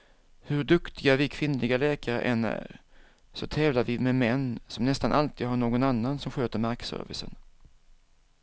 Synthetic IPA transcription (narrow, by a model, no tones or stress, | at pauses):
hɵɖɵkt̪ʰɪɡavɪkʰvɪnlɪɡalɛːkaɾə̰ʔɛnæ̰ːɾ | sɔt̪ʰɛːvlavɪmɛmɛnːsɔmnɛst̪anʔalt̪iːd̪ɦaɳoːɡɔnanːansɔmɧøːt̪əɾmaɾksœ̰ɾvɪ̰sə̰n